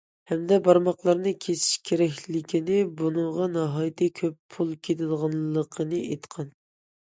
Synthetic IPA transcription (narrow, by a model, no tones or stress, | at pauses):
hɛmd̪ɛbɑɾmɑqlˠɑɾnɨkʲʰesɪ̥ʃkʲʰeɾɛkʲlɪkʲʰinɪbunɨŋʁɑnɑɦɑjt̪ʰɨkʲʰøpʰːulˠkʲʰet̪ʰɪlʁɑnˠːəqʰənɨʔet̪qʰɑn